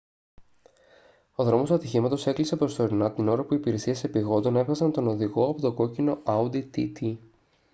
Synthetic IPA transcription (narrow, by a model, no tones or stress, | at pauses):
o̞ðɾo̞mo̞suɐt̪içimɐt̪o̞se̞klise̞pɾo̞st̪o̞ɾinɐt̪ino̞ɾɐpuipiɾe̞siɐse̞piɣo̞nd̪o̞ne̞vɣɐsɐnt̪o̞no̞ðiɣo̞ɐpo̞t̪o̞ɡo̞cino̞ʔɐud̪it̪ḭt̪i